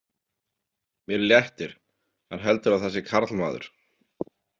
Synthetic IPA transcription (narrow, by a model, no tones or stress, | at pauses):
mjɛɾljɛht̪ɪɾ̥ | hanɦɛlt̪ʏɾawθɛs̬ːɪkʰaɾt̪lma̰ːðʏ̰ɾ̥